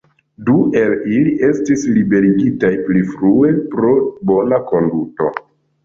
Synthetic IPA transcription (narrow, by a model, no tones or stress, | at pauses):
due̞liliʔe̞stislibe̞ɾiɡitajplifɾue̞pɾo̞bo̞nako̞nduto̞̰